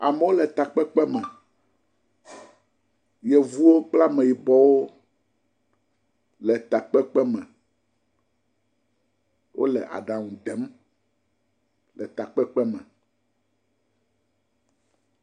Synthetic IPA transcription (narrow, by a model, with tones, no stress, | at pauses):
a̰˨mɛ˦wo˦lɛ˨t̪a˨k͡pɛ˦k͡pɛ˦mɛ˨ | jɛ˨vu˦wo˦k͡pla˦mẽ˨ji˨bɔ˦wo˦ | lɛ˨t̪a˨k͡pɛ˦k͡pɛ˦mɛ̃˨ | wʔo̰˦lɛ̰˨ʔa̰˨ɖã˨ŋũ˨d̪ɛ˨˦m | lɛ˨t̪a˨k͡pɛ˦k͡pɛ˦mɛ̃˨